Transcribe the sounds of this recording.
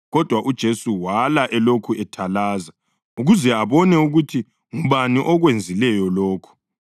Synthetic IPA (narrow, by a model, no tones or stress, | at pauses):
ɣɔd̥ʱwaʔud̥ʒ̥ʱesuwalaʔɛlokʰuɛtʰalaːza | uɣuzɛaβɔnɛuɣutʰi | ŋuβaniʔɔɣwend͡zʱilɛjɔloːkʰu̥